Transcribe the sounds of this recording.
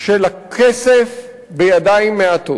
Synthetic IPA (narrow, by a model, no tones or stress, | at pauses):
ʃelakʰesef | bejad̪aimːeat̪o